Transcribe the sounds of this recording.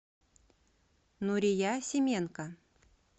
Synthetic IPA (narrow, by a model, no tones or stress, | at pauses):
nuɾʲɪjasʲɪmʲenkə